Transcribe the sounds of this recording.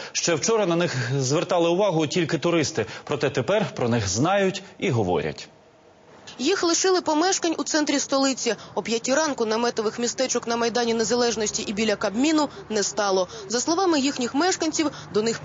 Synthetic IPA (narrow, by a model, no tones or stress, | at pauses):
ʃt͡ʃɛwt͡ʃɔɾɐnɐnɪxzʋert̪ɑlˠɪʊʋɑɦʊtʲilʲkɪt̪ʊɾɪst̪ɪpɾɔt̪ɛt̪epɛrpɾɔnɪxznɑjʊtʲiɦɔʋɔ̰ɾʲɐ̰tʲ | jixlˠɪʃɪlˠɪpɔmɛʃkɐnʲut̪sɛnt̪ɾʲist̪ɔlˠɪt͡sʲiɔpʲjɐtʲiɾɑnkʊnɐmɛt̪ɔʋɪxmʲist̪ɛt͡ʃɔknɐmɐjd̪ɑnʲinezɐlˠɛʒnɔsʲtʲiʔibʲilʲɐkɐbmʲinʊnɛst̪ɑlˠɔzɐslˠɔʋɑmɪjixnʲixmɛʃkɐnʲt͡sʲiw | d̪ɔnɪx